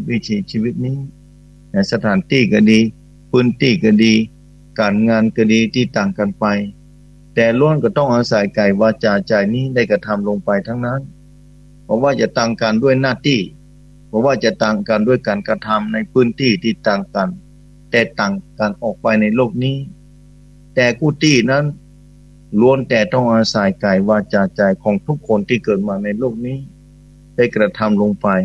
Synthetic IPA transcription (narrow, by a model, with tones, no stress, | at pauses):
wi˦˧˩t̪ʰiː˨˦siː˧˩wi˧˥t̪̚niː˧˥˨ | na˧˩sa˧t̪ʰaː˨˦nt̪iː˧˩ka˧˩diː˧ | pʰɯː˧˥˨nt̪iː˧˩ka˧˩diː˧ | kaː˨˩nŋaː˧nka˧˩diː˧t̪iː˧˩t̪ːaː˨˩ŋka˨npa˨j | t̪ɛː˧loː˧˥˨nka˧˩t̪ɔ˧˥˩ŋʔaː˧sa˨˦jka˨˩jwaː˧t͡ɕaː˨˧˩t͡ɕaː˨˩jniː˧˥˨da˧˥˩jka˧t̪ʰa˧˥mlo˧ŋpa˨jt̪ʰaː˧˥˩ŋna˧˥˨n | pʰɔ˧˥waː˧˩t͡ɕa˧t̪aː˧˩ŋka˨ndu˧˥˩ə˨jnaː˧˥˩t̪iː˧˩ | pʰɔː˧˥waː˧˩t͡ɕa˧t̪aː˨˧˩ŋka˨ndu˥˩əjkaː˨˩nkɾa˧t̪ʰa˧mna˧˥˩jpʰɯː˧˥˨nt̪iː˧˥˩t̪iː˧˩t̪aː˨ŋka˨n | t̪ɛː˧˩t̪aː˨˩ŋkaː˨˩nʔɔː˨˩k̚pa˧jna˧jloː˥˩k̚niː˧˥˩ | t̪ɛː˧˩kuː˧˩t̪iː˧˩na˧˥˨n | lu˧˨ənt̪ɛː˨˧˩t̪ɔ˥˩ŋʔaː˧saː˨˧˩jka˨˩jwaː˧t͡ɕaː˧t͡ɕa˨˩jkʰɔː˨˦ŋt̪ʰu˦˥kʰːo˧nt̪ʰiː˧˩kɤː˨˩t̪̚maː˧na˧jloː˥˩k̚niː˧˥˩ | da˥˩jkɾa˧t̪ʰa˧˥mlo˧ŋfa˧j